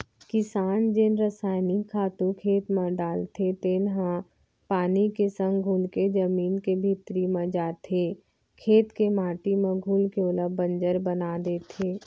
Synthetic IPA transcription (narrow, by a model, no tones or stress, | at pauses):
kɪsaːnd͡ʒɪnɾəsaːɪnikʰaːt̪ũkʰeːt̪mẽɖaːlt̪ʰet̪ɪnɦã | paːnikesə̃ŋɡɡʱulked͡ʒəmiːnkebʱɪt̪ɾimẽd͡ʒaːt̪ʰe | kʰeːt̪kemaːʈimẽɡʱuːlkeʊləbə̃nd͡ʒəɾbənad̪et̪ʰeː